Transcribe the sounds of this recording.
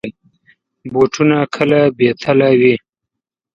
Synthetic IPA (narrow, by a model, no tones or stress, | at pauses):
boʈʰunakʰəlabet̪ʰalawi